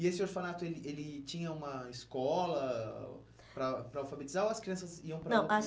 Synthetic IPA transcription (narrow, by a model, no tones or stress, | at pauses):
ɪesɪoɾfanat̪ʊelɪʔelɪt͡ʃĩɲɐũmɐɪskɔlɐ | pɾɐpɾɐawfabet͡ʃizaoɐskɾiɐ̃sɐziɐ̃w̃pɾɐnɐ̃w̃